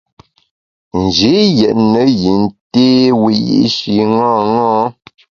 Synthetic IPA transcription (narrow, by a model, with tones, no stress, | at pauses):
n̩˨d͡ʒi˨˦jɛ˨ʔnə˨˦ji˨n̩˦te˦wi˨jḭ˦ʔʃi˨ŋɔ̃ː˦˨ŋɔ̃ː˦